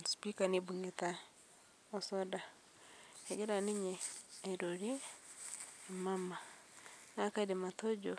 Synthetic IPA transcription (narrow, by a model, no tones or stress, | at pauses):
spikanibuŋeta | osoda | eɡeɾaniɲeːɾoɾe | mamanakadematoɟo